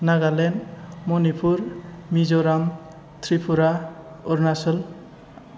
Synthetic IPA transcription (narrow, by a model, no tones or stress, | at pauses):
naɡalenmɔnipʰuɾmizɔɾam | t̪ʰɾipʰuɾa | ɔɾnasɔl